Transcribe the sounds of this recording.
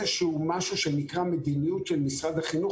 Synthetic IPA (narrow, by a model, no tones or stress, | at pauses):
eʃeumaʃuʃenikʁame̞d̪inijutʃelmisʁad̪haχinu